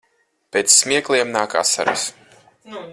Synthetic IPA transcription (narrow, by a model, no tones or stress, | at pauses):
peːt̪sːmʲiɛklˠiɛmnaːka̰ːsa̰ɾḭs